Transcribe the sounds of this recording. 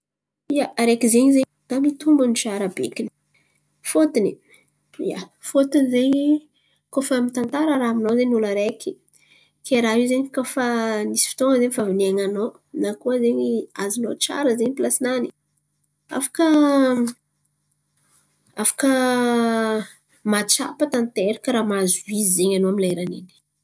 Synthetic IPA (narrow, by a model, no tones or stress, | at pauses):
ijaɾekizeɲize | d̪̥amit̪umbənut͡ʃaɾabekini̥ | fot̪ini | ija̰fot̪inizeɲi | kofamint̪ant̪aɾəɾaaminozeɲuləɾekʲi̥ | kʰeɾaɦiwzeɲkofanisi̥fi̥t̪oŋəzeɲfavineaŋanow | nakuəzeɲiazinot͡ʃa̰ɾəzeɲipilasinani̥ | a̰fḁkə | afḁkə | mat͡ʃa̰pat̪ant̪eɾikaɾamazuwizzeɲanoaminlaeɾanini̥